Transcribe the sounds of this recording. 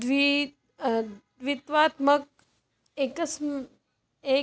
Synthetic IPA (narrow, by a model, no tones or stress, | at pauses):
d̪ʋi | d̪ʋit̪ʋaːt̪mɐk̚ | eːkɐsm | e